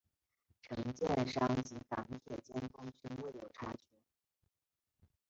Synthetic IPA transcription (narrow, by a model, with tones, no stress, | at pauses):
ʈ͡ʂʰɤ˧˥ŋt͡ɕjɛ˥˧nʂɑ˥ŋt͡ɕi˧˥fɑ̰˧˥ŋt̪ʰjɛ˨˩t͡ɕjɛ˥˩nk̪ʊ˥ŋt͡ɕʰy˥ŋwe˥˩ɪjo˨˩ʊʈ͡ʂʰa˥t͡ɕʰy˧˥